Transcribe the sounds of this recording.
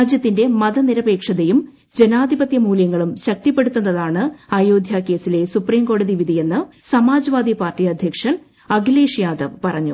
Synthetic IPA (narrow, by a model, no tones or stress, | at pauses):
aːd͡ʑjɐt̪ːinde̞mɐðɐniɾɐbe̞ːkʂɐðɐjum | d͡ʑe̞naːd̪ʱibɐt̪jɐmuːljɐŋːɐɭumɕɐk̚t̪ipːeɽut̪ːunːɐðaːɳɨaːjoːd̪ʱjaːkːe̞ːsile̞supriːmko̞ːɽɐðiʋid̪ʱije̞nːɨsɐmaːd͡ʑɐʋaːd̪ipaːrtiɐd̪ʱjɐkʂɐn | ɐɡileːʂjaːd̪ɐʋpɐrɐɲːṵ